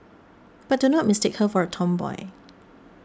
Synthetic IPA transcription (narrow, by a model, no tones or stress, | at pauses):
b̥at̚dunɔt̚mɪstekhəfɔɹətʰɔ̃mbɔ̰ɪ